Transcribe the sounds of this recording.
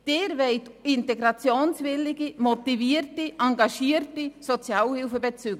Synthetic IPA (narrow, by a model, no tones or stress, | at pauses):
d̥ɪːɾvɛɪtɪnteɡɾɑt͡sjoːnsvɪlɪɡimot̪iviːətiʔaŋɡɑʃiːrtisot͡sjaːlhɪlfəbet͡syːɡ